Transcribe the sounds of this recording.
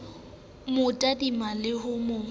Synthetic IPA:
mʊtʼadimalɪɦʊmʊ

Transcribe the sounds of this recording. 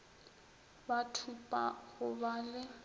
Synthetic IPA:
batʰupʼa̰ɣʊbaːlɪ

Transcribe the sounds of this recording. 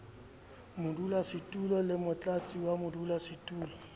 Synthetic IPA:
mʊdulasɪtʼulɔlɪmʊt͡ɬʼat͡sʼiwamʊdulasɪtʼuːlɔ

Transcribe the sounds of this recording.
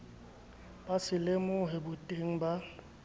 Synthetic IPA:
b̥asɪlemʊɦɪbʊtʼeŋ̩ba

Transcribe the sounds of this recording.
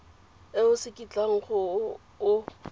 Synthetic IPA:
ɪʊsɪkʼit͡ɬʼaŋ̩χʊ | ʊ

